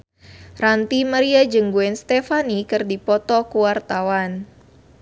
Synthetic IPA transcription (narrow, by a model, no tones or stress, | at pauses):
rant̪imaɾiad͡ʒəŋɡuɛnst̪ɛfanikɨrdipɔt̪ɔkuwart̪awan